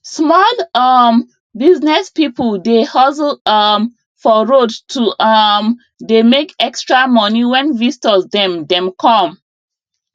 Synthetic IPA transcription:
smɔlʌm | biznɛspipəldehɔsm | fɔɹodtum | demekɛkstɹamɔniwɛ̃nvistɔsdɛ̃mdɛ̃mkʰɔ̃m

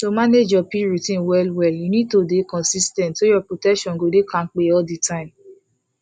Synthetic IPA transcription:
tomaned͡ʒɔpiɹitĩnwɛlwɛjunĩd̚todekɔ̃nsistɛ̃ntːojɔpɹotɛkʃɔ̃nɡodekãk͡peɔditʰãɪ̃m

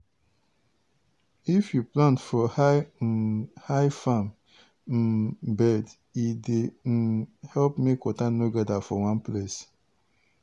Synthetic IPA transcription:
ifjuplãntfɔha | haɪfam̩ | bɛd | ide | hɛlpmekːɔtanoɡɛdafɔwãnples

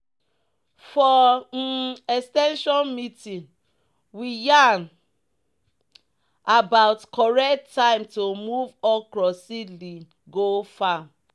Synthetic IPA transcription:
fɔ | ɛstɛ̃nʃɔnmitĩŋ | wijan | abaʊtkʰɔɹɛktːãɪmtomuvɔkɹɔsili | ɡofa

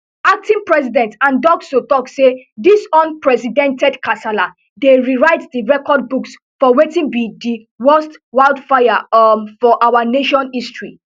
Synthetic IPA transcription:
ak̚tĩnpɹɛsidɛ̃ntãndɔɡsotɔksedisɔ̃npɹɛsidɛ̃ntɛdkʰasala | deɹiɹaɪtdiɹɛkɔd̚buks | fɔwetĩnbidi | wɜstwaɪldfaja̰fɔʔawaneʃɔ̃nistɹḭ

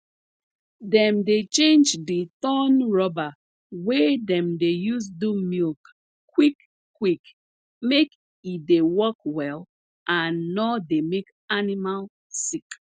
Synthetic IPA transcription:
dɛ̃mdet͡ʃẽnd͡ʒditɔnɹɔba | wedɛ̃mdejuzdumilk | wikː | wik | mek | idewɔkwɛl | ʔãnːɔdemek | animal | sik

